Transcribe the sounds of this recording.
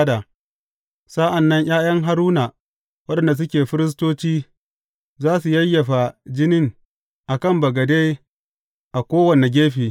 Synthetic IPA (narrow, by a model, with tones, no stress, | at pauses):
da˨ | sa˦ʔa˨nːɐ˦ɲʔj̰aː˦jɐ˦ŋɦa˦ɾuː˦na˨ | wɐ˦ɗɐ˨nda˨s̬ʊ˦kʲeː˨ɸɪ˦ɾɪ˦s̬toː˦t͡ʃiː˦ | zaː˦su˨jɐ˦jːɐ˨ɸa˨d͡ʒɪ˦nɪ˦ŋ | ʔa˨kɐ˦˨mbɐ˨ɡɐ˨de˦j | ʔa˨kʷoː˦wɐ˨ne˨ɡʲeː˦ɸiː˨